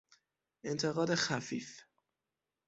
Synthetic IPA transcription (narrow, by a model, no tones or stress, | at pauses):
ʔe̞nt̪ʰe̞ɣɒːd̪exæfiːf